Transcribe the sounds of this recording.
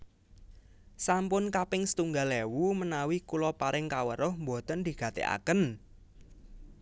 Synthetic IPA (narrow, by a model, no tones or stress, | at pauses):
sampʊnkapɪŋsə̥t̪uŋɡalewumənawikulɔpaɾɪŋkawəɾʊhmbo̤t̪ənd̪̥i̤ɡ̥ä̤t̪ḛa̰kən